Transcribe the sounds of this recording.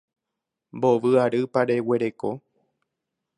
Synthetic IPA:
mbo̞ʋɨaɾɨpaɾe̞we̞ɾe̞ko̞

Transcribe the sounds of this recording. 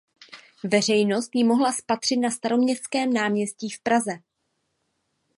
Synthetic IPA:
vɛr̝ɛjno̞st̪jɪmo̞ɦlaspat̪r̝̥ɪt̪̚nast̪aɾo̞mɲɛskɛːmnaːmɲɛsciːfpɾazɛ

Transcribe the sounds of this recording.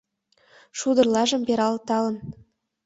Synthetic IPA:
ʃud̪ɤ̆rlˠɑʒɤ̆mbʲeɾɑlˠt̪ɑlˠɤ̆n

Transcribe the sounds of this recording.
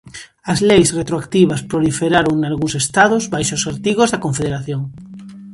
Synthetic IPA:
azlejsret̪ɾoakt̪iβ̞aspɾolifeɾaɾoŋnalɣuŋsest̪aðozβajʃosaɾt̪iɣ̞ozðakoɱfeðeɾaθjoŋ

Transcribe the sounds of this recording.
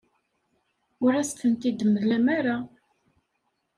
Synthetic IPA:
ʊɾæst̪ənt̪id̪əməðlæmaɾa

